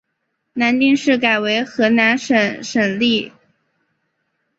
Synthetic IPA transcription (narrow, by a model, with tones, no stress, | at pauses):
na˧˥nt̪i˥˧ŋʂɻ̩˥˩ka˨˩ɪwe˧˥ɪxɤ˧˥na˧˥nʂə˨˩ʂə˨˩nli˥˩